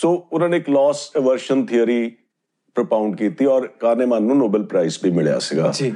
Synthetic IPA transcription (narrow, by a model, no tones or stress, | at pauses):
soːʊnãːneːklɔːseʋəɾʃənt̪ʰɪəɾiː | pɾəpaːʊɳɖ̚kiːt̪iɔːɾkaːɾneːmãːnːũːnoːbəlpɾaːisbʱimɪɭja̰ːsɪɡa̰ːd͡ʒiː